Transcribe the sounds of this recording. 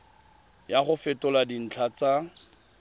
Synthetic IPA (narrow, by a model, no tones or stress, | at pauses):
jaχʊfɪtʊladin̩t͡ɬʰat͡sa